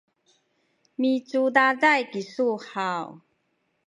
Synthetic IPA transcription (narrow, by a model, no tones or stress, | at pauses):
mit͡sudadajkisuhaw